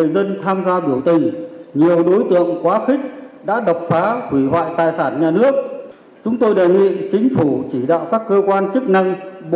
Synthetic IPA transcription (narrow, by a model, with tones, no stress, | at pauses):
əjzə˧nt̪ʰaː˧mzaː˧ɓi˧˩əwt̪ï˨˩ŋɲi˨˩əwɗo˨˦jt̪ɨ̰˧˨əŋkwaː˨˦xï˦˥k̟̚ɗa̰ː˧˥ɗə˨˩wk͡p̚faː˨˦hwi˧˩hwa̰ː˧˨jt̪aː˨˩jsaː˧˩nɲaː˨˩nɨ˦˥ək̚ | t͡ɕʊ˨˦ŋ͡mt̪o˧jɗa̰ː˧˨jŋḭ˧˨t͡ɕï˨˦ŋ̟fu˧˩t͡ɕi˧˩ɗa̰ː˧˨wkaː˦˥kːəː˧kwaː˧nt͡ɕɨ˦˥ək̚na˧ŋɓ